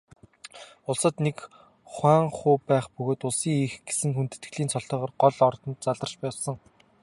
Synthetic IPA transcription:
ʊɮsə̆t̪nek | χwæːŋχʊːpæːχpɵɣoːt̪ʊɮsiːŋixɡ̥e̥sɘ̆ŋxunt̪ɘ̥̆t̪ɡɮiːnt͡sʰɔɮɬt̪œːʁɔːrɢɔɮɔrt̪ɞ̆nt̪̚t͡saɮə̆rt͡ɕpæːwsə̆ŋ

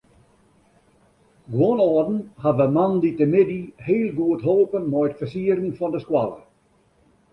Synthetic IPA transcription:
ɡwɔnɔːdn̩havəmanditəmɪdiheːlˠɡuətɦoːpənmɔjətfəsiəɾn̩fɔndəskwa̰lˠə̰

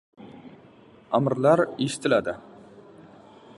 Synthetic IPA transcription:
aməɾlˠɑɾeʃɪ̥t̪ʰɪlad̪ɪ

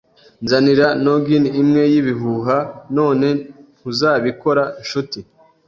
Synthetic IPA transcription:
nzaniɾanoɡiniːmŋe̞jiβiɦuɦano̞ːne̞ŋuzaːβiko̞ɾaʃuti

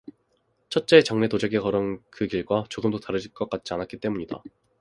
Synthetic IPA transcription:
t͡ɕʰʌt̚t͡ɕ͈e̞ːt͡ɕʌŋne̞tod͡ʑeɡekʌɾʌnkɯkiɭɡwat͡ɕoɡɯmdotaɾɯd͡ʑiɭk͈ʌk͈at̚t͡ɕ͈ianatk͈it͈e̞muɲida̰

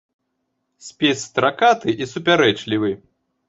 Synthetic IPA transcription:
sʲpʲesʲt̪ɾakat̪ɨʔisupʲaɾɛt͡ʂlʲivɨ

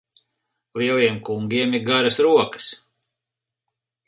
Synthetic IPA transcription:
lˠiɛlˠiɛmkuŋɡʲiɛmiɾɡaɾɐsɾuɔkə̥s

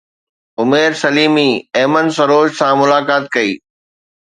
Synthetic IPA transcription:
ʊmeːɾsɐliːmiːɛːmənsɐɾoːʃsãmʊlaːkaːt̪̚kɐiː

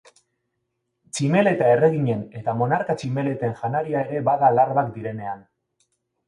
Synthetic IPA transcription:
t͡ʃime̞le̞t̪ae̞re̞ɣiɲe̞ne̞t̪amo̞naɾkat͡ʃime̞le̞t̪e̞ŋʝanaɾiae̞ɾe̞βaðalarβakd̪iɾe̞ne̞an

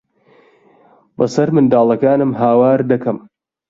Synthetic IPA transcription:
bɐsɐɾmɨnd̪aːlˠɐkaːnɨmɦaːwaːɾd̪ɐkɐm

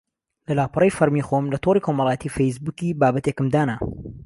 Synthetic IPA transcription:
lɐlaːpɨrˤəjfɐɾmiːxomlɐt̪ʰoɾiːkʰomɑlˠɑːjət̪iːfejs̬buːkibaːbɐt̪ekɨmd̪aːna

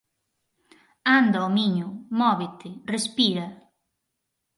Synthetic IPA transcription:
and̪ɐomiɲʊmɔβet̪ɪrespiɾɐ

